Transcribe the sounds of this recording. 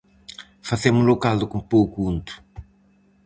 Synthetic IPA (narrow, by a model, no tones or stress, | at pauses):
fazemʊlokald̪ʊkõmpowkuũnt̪ʊ̥